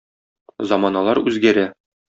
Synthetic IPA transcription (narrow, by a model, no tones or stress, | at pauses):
zɑmɑnɑlˠɑɾʉzɡæɾæ